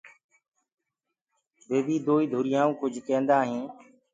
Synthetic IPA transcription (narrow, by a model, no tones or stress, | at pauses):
beːbiːd̪oːiːd̪ʱʊɾɪjãːũːkʊd͡ʒʱkẽːnd̪aːɦẽː